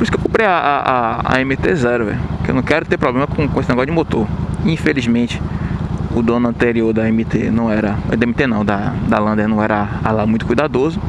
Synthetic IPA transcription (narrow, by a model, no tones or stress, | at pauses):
poɾisʊkewkõmpɾejaʔaʔaa̰ẽmit̪ezɛɾʊɛ̰kɪewnɐ̃w̃kɛɾʊt̪epɾɔblẽmɐkõkõesɪnɛɡɔsʊd͡ʒɪmot̪oɾĩfelizmẽt͡ʃɪ̥ | ʊd̪õnʊɐ̃nt̪eɾioɾd̪ɐẽmit̪enɐ̃w̃ɛɾɐd̪ɐẽmit̪enɐ̃w̃d̪ɐd̪alɐ̃nd̪enɐ̃w̃ɛɾɐalamũj̃t̪ʊkujd̪ad̪ozʊ